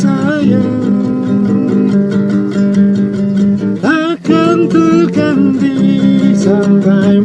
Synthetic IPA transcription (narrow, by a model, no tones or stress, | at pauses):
saja | ʔa | kant̪əkandisampaj